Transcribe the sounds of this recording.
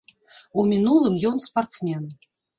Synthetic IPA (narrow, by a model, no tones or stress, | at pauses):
umʲinulˠɨmjɔnspart̪smʲɛn